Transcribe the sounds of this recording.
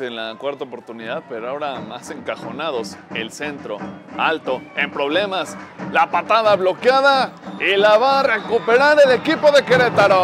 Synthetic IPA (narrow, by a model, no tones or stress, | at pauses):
enlakwaɾt̪aopo̞ɾt̪uniðaðpeɾoaoɾamase̞ŋkaxo̞̰naðo̞selse̞nt̪ɾo̞̰alt̪o̞empɾo̞β̞le̞maslapat̪aðaβlo̞kjaðailaβare̞kupe̞ɾaɾe̞le̞kipo̞ðe̞keɾet̪aɾo